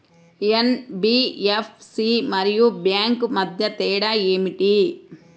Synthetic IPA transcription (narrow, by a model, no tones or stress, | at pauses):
enbiːepʰsimɐɾijubjaːŋkmɐd̪ʱjɐt̪ɛːɽaeːmiʈi